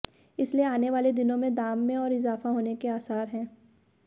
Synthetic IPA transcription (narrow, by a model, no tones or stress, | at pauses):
ɪslieaːneʋaːled̪ɪnõmẽd̪aːmːẽɔːɾɪzaːfaɦoːnekeaːsaːɾɦɛ̃ː